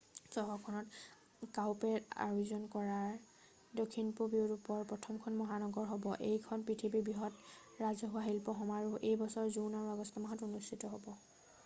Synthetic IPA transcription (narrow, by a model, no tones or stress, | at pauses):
sɔɦɔkʰɔnɔt | kawpɛa̰ɹuzɔnkɔɹaɹ | dokʰːinpubiʊɹupɔɹpɹɔtʰɔmkʰɔnmɔɦanɔɡɔɹɦɔbɔʔejkʰɔnpitʰibibiɦɔt | ɹazɔɦuaɦilpɔɦɔmaɹuʔejbɔsɔɹzunaɹuaɡɔstʰɔmaɦɔtunustʰitɔɦobɔ